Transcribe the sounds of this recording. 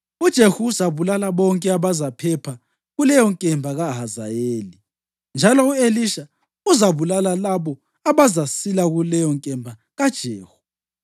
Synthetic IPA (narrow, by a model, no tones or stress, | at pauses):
ud̥ʒ̥ʱehuːzaβulalaβɔŋkʼɛaβazapʰɛpʰa | ɣulɛjɔŋkʼɛmbʱaɣaɦaza̰jeːli | nd͡ʒʱalɔueliʃa | uzaβulalalaβɔ | aβazasilaɣulɛjɔŋkʼɛmbʱa | ɣad̥ʒ̥ʱeːhu̥